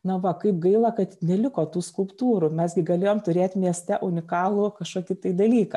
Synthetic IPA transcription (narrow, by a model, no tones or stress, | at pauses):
nɐʋɐkɐɪpɡɐɪlˠɐkɐt̪nʲɛlʲɪkoːt̪uːskʊlˠpt̪uːɾʊmʲɛsɡʲɪɡɐlʲeːjoːmt̪ʊɾʲeːt̪ʲmʲiɛsʲt̪ʲɛʔʊnʲɪkɑːlˠʊkɐʃkoːkʲɪt̪ɐɪd̪ɐlʲiːkɐ